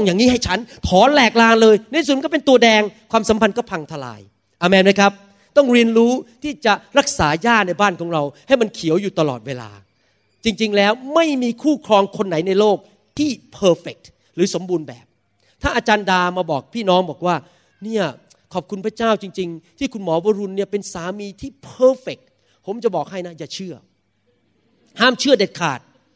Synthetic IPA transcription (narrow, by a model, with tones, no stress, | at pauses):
ŋjaː˨˩ŋːniː˦˥ha˥˩jt͡ɕʰa˦˥nt̪ʰɔː˨˦nlɛː˨˩k̚laː˧ŋlɤː˧jna˦˥i˦˨u˨˩˨m˧˦kɔ˥˩pe˧nt̪u˧ɐdɛː˧ŋkʰwaː˧msa˩˦mpʰa˧nkɔː˥˩pʰa˧ŋt̪ʰa˧la̰ː˧j | ʔa˧mɛː˧mna˦˥jkʰp̚ | t̪ɔ˥˩ŋɾi˧ənɾuː˦˥t̪ʰiː˥˩t͡ɕa˨˩ɾa˦˥k̚saː˩˦jaː˥˩na˧jbaː˥˩nkʰɔː˩˦ŋɾa˧wha˥˩jma˧nkʰi˩˦əwjuː˨˩t̪a˧lɔ̰ː˨˩t̪̚weː˧la̰ː˧ | t͡ɕi˧ŋt͡ɕi˧ŋlɛː˦˥wma˥˩jmiː˧kʰuː˥˩kʰɾɔː˧ŋkʰo˧nːa˨˩˦jna˧jloː˥˩k̚ | t̪ʰiː˥˩pʰɤː˧fe˨˩k̚ | ɾɯː˨˩˦so˨˩˦mbuː˧nbɛ̰ː˨˩p̚ | t̪ʰaː˥˩ʔaː˧t͡ɕaː˧ndaː˧maː˧bɔː˨˩k̚pʰiː˥˩nɔː˦˥ŋbɔː˨˩k̚waː˥˩ | ni˥˩ɐ | kʰɔː˨˩p̚kʰu˧npʰɾa˥˩t͡ɕaː˥˩wt͡ɕi˧ŋt͡ɕi˧ŋt̪ʰiː˥˩kʰu˧nmɔː˩˦waː˧ɾu˧nːi˥˩ɐpe˧nsaː˨˦miː˧t̪ʰiː˥˩pʰɤː˧fe˨˩k̚ | pʰo˩˦mt͡ɕa˨˩bɔː˨˩k̚ɦa˥˩jna˦˥jaː˨˩t͡ɕʰɯ˥˩ɐ | haː˥˩mt͡ɕʰɯ˥˩ɐde˨˩t̪̚kʰa̰ː˨˩t̪̚